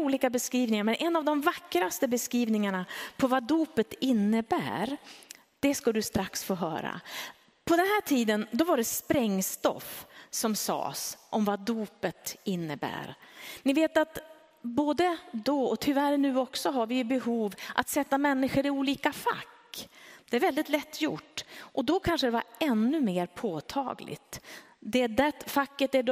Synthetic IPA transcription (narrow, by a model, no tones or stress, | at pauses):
uːliːkabɛskɾiːvnɪŋaɾmɛnʔɛnːavd̪ɔmvakːɾast̪əbɛskɾiːvnɪŋaɳapʰɔvad̪uːpət̪ɪnːəbæ̰ːɾ | d̪̥ɛskad̪ɵst̪ɾaksfoːɦœ̰ːɾa̰ | pʰɔd̪ɛnɦæːʈʰiːd̪ənd̪ɔvaɖɛspɾɛŋːst̪ɔ̰fsɔmsɑ̰ːsʔɔmvad̪uːpət̪ɪnːəbæ̰ːɾnɪveːt̪at̪ | boːd̪əd̪ɔɔt̪ʰʏvæɾnʉ̟ːɔksɔɦaɾvɪjbɛɦuːvʔat̪sɛt̪ːamɛnːɪɧəɾɪuːliːkafa̰kːd̪̥ɛæɾvɛld̪ɪt̪lɛt̪ʰːjʊ̰ʈːʔɔd̪ɔkʰanʂəd̪ɛva̰ɾɛnːɵmeːɾpʰoːt̪ʰɑ̰ːɡlʔɪ̰t̪ | d̪ɛɖɛt̪fakːət̪æɖ